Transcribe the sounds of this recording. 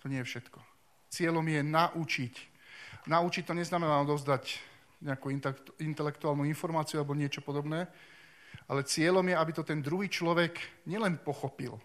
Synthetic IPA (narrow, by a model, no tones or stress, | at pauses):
t̪ɔɲɪɛjɛfʃɛt̪kɔ̥ | t͡sɪɛʎɔmjɛnaʔut͡ʃic | naut͡ʃic̚t̪ɔɲɛznamɛnaːɔd̪ɔʊzd̪ac | ɲɛakuiint̪ɛlɛkt̪uaːlnuinfɔɾmaːt͡siualɛbɔɲɪɛt͡ʃɔpɔd̪ɔbnɛː | ʔalɛt͡sɪɛʎɔmjɛabit̪ɔt̪ɛnd̪ɾuɦiːt͡ʃlɔʋɛkɲɪɛlɛnpɔxɔpḭl